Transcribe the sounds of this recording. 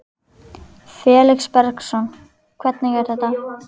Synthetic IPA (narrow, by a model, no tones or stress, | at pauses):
fɛːlɪkspɛɾksɔn | kʰvɛt̪̚niŋkaɾ̥θɛht̪ːa